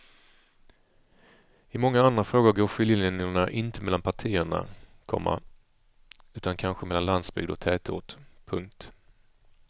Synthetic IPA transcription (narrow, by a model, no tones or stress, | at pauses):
ɪmɔŋːaand̪ɾafɾoːɡʊɾɡoːɾɧʏljəlnɪŋəɳaʔɪnt̪əmɛlːanpʰaʈʰiːəɳa̰kʰɔ̰mːa̰ | ʉ̟ːt̪ankʰanɧəmɛlːanland̪sbʏ̰ɡd̪ɔk̚t̪ʰɛːt̪ṵːʈ̪pʰɵŋk̚t̪